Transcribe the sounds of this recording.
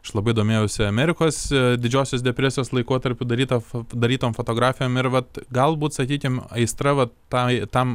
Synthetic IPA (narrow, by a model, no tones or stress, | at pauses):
ɐʃlˠɐbɐɪɪd̪oːmʲeːjɛʊsʲɪɐmʲæɾʲɪkoːsd̪ʲɪd͡ʒʲoːsʲoːsd̪ʲɛpʲɾʲæsʲɪjoːslˠɐɪkoːt̪ɐɾʲpʲʊd̪ɐɾʲiːt̪ɐd̪ɐɾʲiːt̪oːmfot̪oːɡɾɑːfʲɪjoːmɪɾʋɐt̪ɡɐlˠbuːt̪sɐkʲiːkʲɪmɐɪst̪ɾɐʋɐt̪ | ɐt̪ɐm